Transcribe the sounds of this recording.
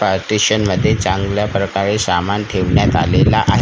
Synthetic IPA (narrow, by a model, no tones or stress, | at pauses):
paɾʈiɕənməd̪ʱːjet͡sãŋɡljapɾəkaɾesamanʈʰeʋɳjat̪a̰lelaʔaɦ